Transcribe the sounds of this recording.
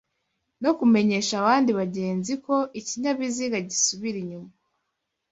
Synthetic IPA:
no̞kume̞ɲe̞ʃaːβaːndiβaɟe̞ːnziko̞ʔiciɲaβiziɡaɟisuβiɾiɲuma

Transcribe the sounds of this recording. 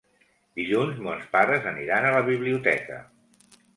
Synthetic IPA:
d̪iʎunzmɔnspaɾəzəniɾanələβ̞iβliut̪ɛ̰kə̰

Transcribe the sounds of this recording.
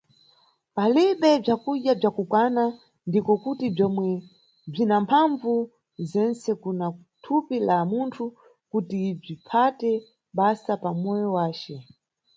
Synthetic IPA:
paliɓɛb͡ʐakuʄjab͡ʐakukwana | ndikɔkutib͡ʐɔmwɛ | b͡ʐinampʰaɱvu | zɛnt͡sɛkuna | tʰupilamuntʰu | kutib͡ʐipʰatɛ | ɓasapamɔjɔwaːt͡ʃɛ

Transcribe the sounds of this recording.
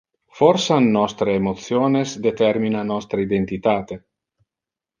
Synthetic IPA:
fɔɾsanːɔst̪ɾeːmot̪sjoːnesd̪et̪ɛrminanɔst̪ɾeid̪ent̪it̪aːt̪e

